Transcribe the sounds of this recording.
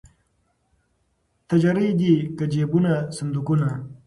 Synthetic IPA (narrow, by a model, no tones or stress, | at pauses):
t̪ɐd͡ʒɐɾid̪ikɐd͡ʒeːbunasɐnd̪ukuna